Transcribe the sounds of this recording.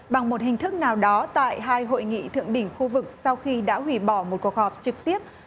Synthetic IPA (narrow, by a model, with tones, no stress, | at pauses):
ɓa˨˩ŋmo˨˩t̚hï˨˩ŋ̟t̪ʰɨ˦˥k̚naː˨˩wɗɔ˨˦t̪a̰ː˧˨jɦaː˧jɦo̰˧˨jŋḭ˧˨t̪ʰɨ̰˧˨əŋɗï˧˩ŋ̟xu˧vɨ˨˩k̚sa˧wxi˧ɗa̰ː˧˥ɦwḭ˧˩ɓɔ˧˩mo˨˩t̚ku˨˩ək̚hɔ˨˩p̚t͡ɕɨ˨˩k̚t̪i˦˥əp̚